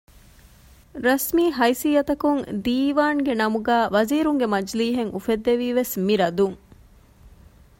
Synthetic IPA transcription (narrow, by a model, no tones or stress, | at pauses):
ɾɐsmiːɦɐjsijɐt̪ɐkuŋd̪iːʋaːŋɡenɐmuɡæːʋɐziːɾuŋɡemɐd͡ʒliːɦeŋufed̪ːeʋiːʋesmiɾɐd̪uŋ